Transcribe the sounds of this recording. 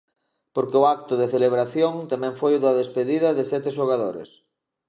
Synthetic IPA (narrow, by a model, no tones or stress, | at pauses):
poɾkeʊak̚t̪ʊðeθeleβ̞ɾaθjoŋt̪amɛ̃ŋfojʊðaðespeðiðɐðesɛt̪eʃoɣ̞aðoɾḛs